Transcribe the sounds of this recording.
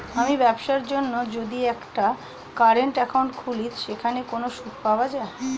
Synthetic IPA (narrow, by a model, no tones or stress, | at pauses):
amibɛbʃaɾd͡ʑonːod͡ʑod̪iɛkʈa | kaɾeɳʈɛkaw̃ɳʈkʰulitʃekʰanekonoʃut̪paoad͡ʑae